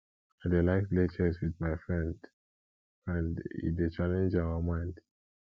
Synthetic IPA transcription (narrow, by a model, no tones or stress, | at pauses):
adelaɪflet͡ʃəswiðmaɪfɹɛ̃nd | ãndḭdet͡ʃalɛ̃nd͡ʒaəmãɪ̃nd